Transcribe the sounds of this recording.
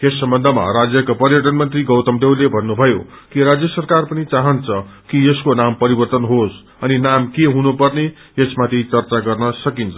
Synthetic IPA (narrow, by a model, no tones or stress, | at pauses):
jesːʌmbʌnd̪ʱʌma̰ɾad͡zjʌkapʌrjʌʈ̬ʌnmʌnt̪riɡʌwt̪ʌmd̪ewlebʱʌnːubʱʌjo̰ | kiɾad͡zjʌsʌrkarpʌnit͡saɦʌnt͡sʰʌkijeskonampʌɾibʌrt̪ʌnɦos | ʌninamkeɦunupʌrne | jesmat̪ʰit͡sʌrt͡saɡʌrnʌsʌkint͡sʰʌ